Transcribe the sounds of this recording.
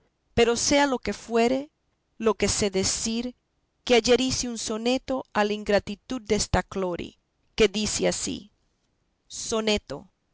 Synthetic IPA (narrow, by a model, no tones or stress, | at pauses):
pe̞ɾo̞se̞alo̞ke̞fwe̞ɾe̞ | lo̞ke̞se̞ðesiɾ | keaʝe̞ɾiseunso̞ne̞t̪o̞alaiŋɡɾat̪it̪ud̪̚d̪est̪aklo̞ɾḭ | ke̞ðiseasḭ | so̞ne̞t̪o̞̰